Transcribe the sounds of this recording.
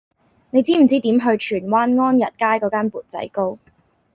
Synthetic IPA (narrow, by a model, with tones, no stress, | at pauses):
ne˨˧jt͡siː˥m̩˨˩t͡siː˥t̪iː˨˥mɦɵ˧ɥt͡ʃʰyː˨˩nwaː˥nŋɔː˥njɐ˨t̚kaː˥jkɔː˨˧˥kaː˥npuː˨˩t̚t͡sɐ̰˨˥jko˥w